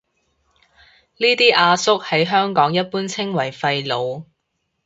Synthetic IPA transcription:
niː˥t̪iː˥ʔaː˧sʊ˥k̚hɐ˨˥jɦœː˥ŋkɔː˨˥ŋjɐ˥t̚puː˥nt͡sʰɪ˥ŋwɐ˨˩jfɐ˧jlo˨˧w

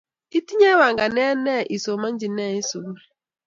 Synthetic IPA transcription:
i˦ti˦ɲe˦wa˨ŋ̩˨ɡa˨ne˦ne˦˨ʔi˨so˨ma˦n̩˦d͡ʒi˨ne˦˨i˦so˨ɡu˦ɾe˨

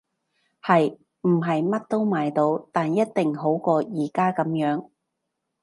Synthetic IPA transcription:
hɐ˨j | m̩˨˩ɦɐ˨jmɐ˥t̚t̪o˥wmaː˨jt̪o˨˧wt̪aː˨njɐ˥t̚t̪ɪ˨ŋɦo˨˥wkɔː˧jiː˨˩kaː˥kɐ˨˥mjœː˨˥ŋ

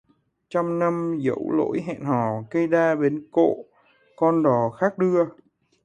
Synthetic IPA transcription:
t͡ɕɔ˧wŋ͡mna˧mzə̰˧˥wlo̰˧˥jɦɛ̰˧˨nhɔ˨˩kə˧jɗaː˧ɓe˨˦nko̰˧˨ | kɔ˧nɗɔ˨˩xaː˦˥k̚ɗɨ˧ə

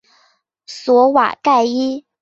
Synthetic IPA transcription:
swɔ˧˥wa̰˨˩ka˥˩ɪi˥

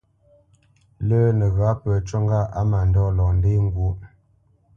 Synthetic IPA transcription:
lə˦nə˨ɣa˨˦pə˨t͡ʃɔ˦ŋɡa˦a˦ma˨n˨dɔ˦˨lɔ˨n˦de˦ŋ˦ɡwo˦

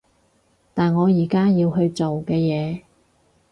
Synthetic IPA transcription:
t̪aː˨nŋɔː˨˧jiː˨˩kaː˥jiː˧wɦɵ˧ɥt͡so˨wkɛː˧jɛː˨˧

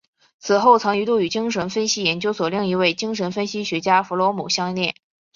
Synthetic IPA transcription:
t͡sʰɹ̩˨˩xo˥˩ʊt͡sʰɑ˧˥ŋy˧˥t̪u˥˩y˨˩t͡ɕi˥ŋʂ̬ə˧˥nfə˥nɕi˥jɛ˧˥nt͡ɕjo˥ʊswɔ˨˩li˥˩ŋi˧˥we˥˩ɪt͡ɕi˥ŋʂə˧˥nfə˥nɕi˥ɕɥɛ˧˥t͡ɕja˥fu˧˥lwɔ˧˥mṵ˨˩ɕjɑ˥ŋnjɛ˥˩n

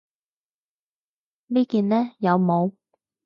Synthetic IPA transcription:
liː˥kiː˧nlɛː˥jɐ˨˧wmo˨˧w

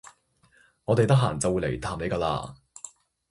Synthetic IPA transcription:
ŋɔ˨˧t̪e˨jt̪ɐ˥k̚ɦaː˨˩ŋt͡sɐ˨wːu˨˧jle˨˩jt̪ʰaː˨˩mne˨˧jkaː˧la̰ː˧

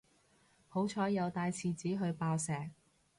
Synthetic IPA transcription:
ho˨˥wt͡ʃʰɔː˨˥jɐ˨˧wt̪aː˧jt͡sʰiː˨t͡siː˨˥ɦɵ˨˧ɥpaː˧wsɛː˨k̚

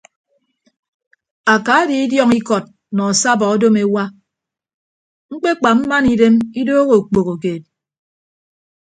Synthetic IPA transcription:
a˨ka˨a˦di˨i˦djɔ˦ŋi˦kɔ˨t̚ | nɔ˨a˨sa˦˨bɔ˨ɔ˦do˦me˦wa˦ | ŋ̩˦k͡pe˦k͡pa˨m̩˦ma˦ni˨de˦mi˦doː˦ɣo˨k͡po˨ɣo˨k̬eː˨t̚

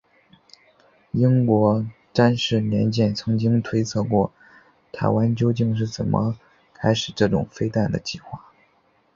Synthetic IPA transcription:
i˥ŋkwɔ˧˥ | ʈ͡ʂa˥nʂɻ̩˥˩mjɛ˧˥nt͡ɕjɛ˥˩nt͡sʰɤ˧˥ŋt͡ɕi˥ŋt̪ʰwe˥ɪt͡sʰɤ˥˧kwɔ˥˩ | t̪ʰa˧˥ɪwa˥nt͡ɕjo˥ʊt͡ɕi˥˧ŋʂ̬ɻ̩˥˩t͡sə̰˨˩nmʔə̰˦ | kʰa˥ɪʂɻ̩˨˩ʈ͡ʂɤ˥˩ʈ͡ʂʊ̰˨˩ŋfe˥ɪt̪a˥˩nd̪ə˩t͡ɕi˥˩xwa˥˩

